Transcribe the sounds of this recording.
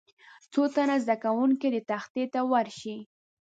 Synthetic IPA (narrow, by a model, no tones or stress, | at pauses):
t͡sot̪anazd̪akawuŋked̪ət̪axt̪et̪awaɾʃi